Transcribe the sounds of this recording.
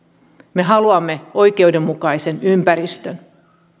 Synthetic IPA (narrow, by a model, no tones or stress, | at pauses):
me̞ɦɑluɑmːe̞o̞jke̞ude̞mːukɑjse̞nympæɾist̪øn